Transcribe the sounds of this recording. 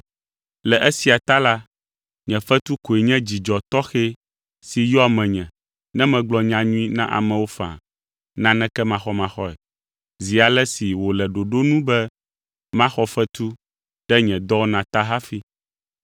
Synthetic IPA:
lɛ˨ʔɛ˦si˨a˨t̪a˦la˦ | ɲɛ̃˨fɛ˦t̪u˦ko˨e˨ɲɛ̃˦d͡ʑi˨d͡ʒɔ˨t̪ɔ˦xe˦ | si˨jɔ˦a˨mɛ̃˨ɲɛ̃˨ | nɛ̃˦mɛ̃˨ɡ͡blɔ˨ɲã˨ɲũ˦i˦nã̰˦ʔa̰˨mɛ̃˨wo˦fã̰˨ | nã˦nɛ̃˦kɛ˦mã˨xɔ˦mã˨xɔ˦ɛ̰˨ | zi˨a˨lɛ˦si˨wo˨lɛ˨ɖo˨ɖo˦nũ˦bɛ˦ | mã˦xɔ˦fɛ˦t̪u˦ | ɖ̥ɛ˦ɲɛ̃˨d̪ɔ˦nã˨t̪a˦ɦa˦fi˦

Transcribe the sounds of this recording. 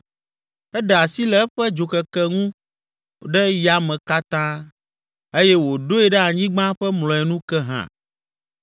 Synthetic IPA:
ɛ˦ɖa˨si˦lɛ˦ɛ˦ɸɛ˦d͡ʒo˨kɛ˨kɛ˦ŋũ˦ | ɖɛ˦ja˨mɛ̃˨ka˦t̪ã˦ | e˦jɛ˦wo˨ɖo˦ɛ˨ɖɛ˦a˨ɲĩ˦ɡ͡bã˦ɸɛ˦mlɔ̃˨ɛ˨nũ˦kɛ˦ɦã̰˨

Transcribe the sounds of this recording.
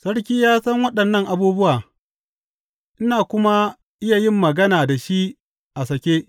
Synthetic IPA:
sɐ˦ɽk̬ʲiː˦jaː˦sɐ˦ŋwɐ˦ɗɐ˨nːɐ˦˨ŋʔa˨buː˦bʊ˦waː˨ | ʔɪ˦naː˨kʷʊ˦ma˦ | ʔɪ˦ja˨jɪ˦˨mːɐ˨ɡɐ˦naː˨da˨ʃi˦ | ʔa˨sɐ˨kʲeː˦

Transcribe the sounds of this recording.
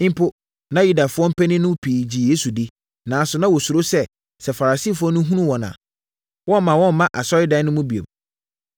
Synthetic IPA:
pʰo˦ | nã˦ju˦da˨fʊ˦ɔ̃˦m̩˦pʰɛ̃˦nɪ̃˦nʊ̃˦pʰiː˨d͡ʑi˨je˦su˨di˦ | nã˨˦sʊ˨nã˦wɔ˨sʊ˨ɾo˦sɛ˦ | sɛ˨fa˨ɾa˨siː˦˨fʊ˦ɔ˦nʊ̃˦ɦũ˦nũ˦wɔ̃˨nã̰ː˨ | wɔ̃˦m˦mã˨wɔ̃˦m̩˦mã˦ʔa˨sɔ˦ɾɪ˦dã˦nʊ̃˦mũ˦bi˨o̰˨m

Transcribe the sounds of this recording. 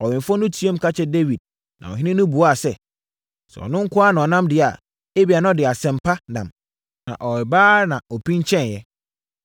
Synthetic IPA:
ɔ˨wɪ̃˨m˨fɔ̃˦nʊ̃˦tʰi˦o˦m˦kʰa˦t͡ɕʰɛ˦de˦wi˨d̚ | nã̰˨ɔ˨ɦɪ̃˦nɪ̃˦nʊ̃˦bu˨˦a˨sɛ˦ | sɛ̰˨ɔ̰˨nʊ̃˦ŋ̩˦kʰʊ˦a˦nã˨ɔ˨nã˦mdɪ˨a˨ | e˦bi˨a˨nã˦ɔ˦dɪ˨a˨sɛ̃˨m˨pʰa˦nã˨m | nã̰˨ʔɔ˨ɾɪ˨baː˦nã˨ɔ˨pĩ˦ɲ˦t͡ɕʰɛ̃˦n˨jɛ˦

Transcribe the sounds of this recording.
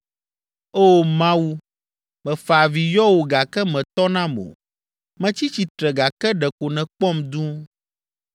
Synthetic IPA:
o˦mã˦wu˦ | mɛ̃˨fa˨vi˨jɔ˦wo˨ɡa˨kɛ˦mɛ̃˨t̪ɔ˦nã˦mõ̰˨ | mɛ̃˦t͡ɕi˦t͡ɕi˨t̪ɾɛ˨ɡa˨kɛ˦ɖɛ˨ko˨nɛ̃˨k͡pɔ˦md̪ũ˦

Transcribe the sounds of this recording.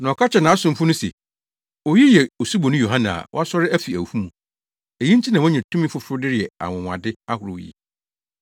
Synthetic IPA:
nã˨ɔ˨kʰa˦t͡ɕʰɛ˨nã˨a˦sʊ̃˦m˦fʊ˦nʊ̃˦sḛ˨ | ɔ˨ji˦jɛ˨o˨su˦bo˨nʊ̃˦jo˨ɦã˦nã˨a̰˨wɔ̰˦a˦sɔ˦ɾɪ˦æ˦fi˨æ̰˨hu˦mũ˨ | e˨jĩ˦n̩˦t͡ɕʰi˦nã˨wɔ̃˦ɲɛ̃˨tʰũ˦mĩ˦fʊ˦fʊ˦dɪ˦ɾɪ˨ɛ˨a̰˨wʊ̃˨wã̰˨dɪ˦a˦hʊ˨ɾw̰jḭ˨

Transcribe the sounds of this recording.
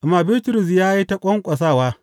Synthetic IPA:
ʔma˨bɪ˦ltʊ˨ɾʊ˨s̬jaː˦ji˦tɐ˦kʷʼɔ˦ŋkʷʼɐ˨s̬aː˦˨waː˦

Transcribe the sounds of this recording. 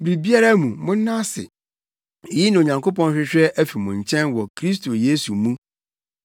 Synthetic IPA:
bɾi˨bi˦a˦ɾa˦mũ˨mʊ̃˦n̩˦nã˦sɪ̰˨ | jɪ˦nã˨o˨ɲã˨ŋkʰo˦pɔ̃˦n˦ɕᶣɪ˦ɕᶣɛ˦ʔæ˦fi˨mʊ̃˨ɲ̩˨t͡ɕʰɛ̃˦nwɔ˨kʰɾi˦s̬tʰo˨je˦su˨mũ˦

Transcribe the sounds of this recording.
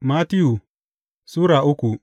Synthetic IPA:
ma˦ti˦u˨ | su˦ɾa˨ʔu˦ku˨

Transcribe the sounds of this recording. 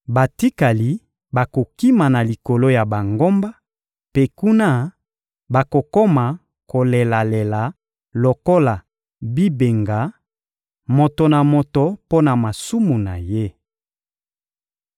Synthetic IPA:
ba˨ti˦ka˨li˨˦ | ba˨ko˨ki˦ma˨na˨li˨ko˨lo˦ja˨ba˨ŋɡo˦mba˦ | pe˦ku˦na˦ | ba˨ko˨ko˦ma˨ | ko˨le˨la˨le˨la˨ | lo˨ko˦la˨ | bi˦be˨ŋɡa˨˦ | mo˨to˨na˨mo˨to˨po˦na˨ma˨su˦mu˨na̰˨je˦

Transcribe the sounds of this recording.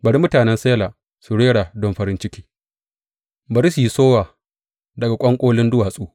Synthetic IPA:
bɐ˨ɽi˦mʊ˦taː˨nɛ˦nse˦laː˨ | su˨ɽeː˦ɽa˨dɔ˦mɸɐ˨ɾɪ˦nt͡ʃɪ˦kʲiː˦ | bɐ˨ɾi˦su˨ji˦soː˦waː˨ | dɐ˨ɡa˨kʷʼɐ˦ŋkʷʼoː˦lɪ˦ndʊ˦waː˨sʼuː˦

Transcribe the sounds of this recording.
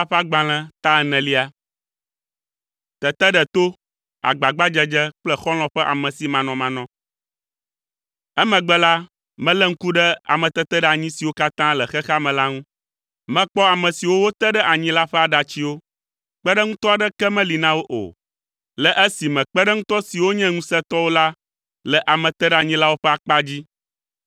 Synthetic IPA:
a˦ɸɛ˦a˦ɡ͡ba˨l̃ɛ̃˦t̪a˦ɛ˨nɛ̃˨li˦a˨ | t̪ɛ˨t̪ɛ˦ɖɛ˨t̪o˦ | a̰˨ɡ͡ba˨ɡ͡ba˦d͡ʒɛ˦d͡ʒɛ˦k͡plɛ˦xɔ˦l̃ɔ̃˦ɸɛ˦ʔa˨mɛ̃˨si˨mã˨nɔ̃˨mã˨nɔ̃˦ | ɛ˦mɛ̃˨ɡ͡bɛ˦la˦ | mɛ̃˦lɛ˦ŋ̩˦ku˦ɖɛ˦a̰˨mɛ̃˨t̪ɛ˦t̪ɛ˦ɖɛ˦˨a˨ɲĩ˦si˨wo˦ka˦t̪ã˦lɛ˨xɛ˦xa˦mɛ̃˨la˦ŋũ˦ | mɛ̃˦k͡pɔ˦a˨mɛ̃˨si˨wo˦wo˦t̪ɛ˦ɖɛ˦ʔa˨ɲĩ˦la˦ɸɛ˦a˨ɖa˨t͡ɕi˦wo˦ | k͡pɛ˦ɖə˦ŋũ˦t̪ɔ˦a˨ɖɛ˦kɛ˦mɛ̃˦li˨nã˦wo˦ʔo̰˨ | lɛ˨ʔɛ˦si˨mɛ̃˨k͡pɛ˦ɖɛ˦ŋũ˦t̪ɔ˦si˨wo˦ɲɛ̃˦ŋũ˦sɛ˦t̪ɔ˦wo˦la˦ | lɛ˨ʔa˨mɛ̃˨t̪ɛ˦ɖɛ˦a˨ɲĩ˦la˦wo˦ɸɛ˦a˨k͡pa˦d͡ʑi˦

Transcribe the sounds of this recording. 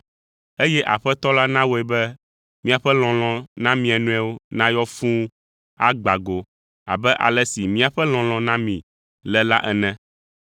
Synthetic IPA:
e˦jɛ˦ʔa˨ɸɛ˦t̪ɔ˦la˦nã˦wo˦ɛ˨bɛ˦ | mĩ˦a˨ɸɛ˦l̃ɔ̃˨l̃ɔ̃˨nã˦mĩ˨ɛ˨nũ˦ɛ˦wo˦nã˦jɔ˦fũ˦ | a˦ɡ͡ba˨ɡo˨ | a̰˨bɛ˦ʔa̰˨lɛ˦si˨mĩ˦a˨ɸɛ˦l̃ɔ̃˨l̃ɔ̃˨nã˦mĩ˨ | lɛ˨la̰˦ʔɛ˨nɛ̃˦

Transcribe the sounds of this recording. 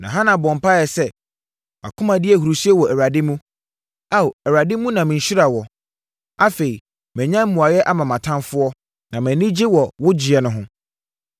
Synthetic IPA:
nã̰˨ɦã˦nã˨bɔ̃˨m˨pa˦jɛ˨sɛ˦ | a̰˨kʰʊ̃˦mã˨dɪ˦ɛ˨ɦu˨ɾu˨si˦ɛ˦wɔ˨æ˨a˨dɪ˦mũ˦ | a˦˨ɛ˨ɾa˨dɪ˦mũ˦nã˨mɪ̃˨ɲ̩˨ɕi˦ɾa˨wɔ˨ | a˦fe˨i˨ | mɛ̃˨ɲã˦m˦mũ˨a˨jɛ˦ʔa˦mã˨mã˨tʰã˦nfʊ˦ɔ˦ | nã˨mɛ̃˨nɪ̃˦d͡ʑɪ˦wɔ˨wʊ˦d͡ʑɪ˨ɛ˨nʊ̃˦ɦʊ̃˦

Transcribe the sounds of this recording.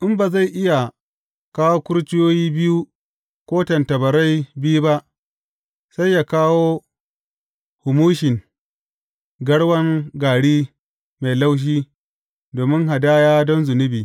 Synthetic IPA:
ʔɪ˦mba˨za˦˨jʔɪ˦ja˨ | kaː˦woː˦kʷʊ˦ɽt͡ʃɪ˦joː˦jiː˦bɪ˦ju˦ | kʷoː˦tɐ˨ntɐ˨bɐ˨ɾa˦jbɪ˦ju˦ba˦ʔ | sa˦jːaː˨kaː˦woː˦ | hʊ˨muː˦ʃɪ˨ŋ | ɡɐ˦ɽwɐ˦ŋɡaː˨ɽiː˦ | ma˨jla˦wʃ̬iː˦ | doː˨mɪ˦ŋɦa˨daː˦jaː˦dɔ˦nzʊ˨nɪ˦biː˨

